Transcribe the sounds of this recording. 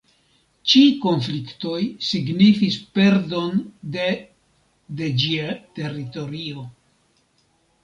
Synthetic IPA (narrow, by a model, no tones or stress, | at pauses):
t͡ʃiko̞nflikto̞jsiɡnifispe̞ɾdo̞nde | de̞d͡ʒiate̞rito̞ɾio̞